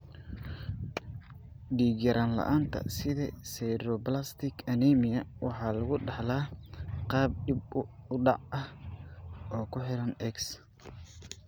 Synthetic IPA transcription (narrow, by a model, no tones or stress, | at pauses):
ɖiːɡɐɾʔanlɐ̰ʔaːnt̪ʰɐ̰sɪðɐ̰sɛjɾɔblast̪ʰɪkʰɐnɛːmɪjɐwɑħɑːlɐɣʊɖɑħlaːqɑːb̚ɖib̚ʊɖɑ̰ʕʔɐh | ɔːkʰʊħɪɾɐnɛks